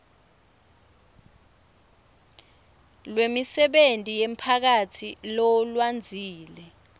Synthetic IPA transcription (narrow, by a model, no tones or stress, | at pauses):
lwemisɛɓentʼijempʰak̬atʰilɔlwand͡zʱiːlɛ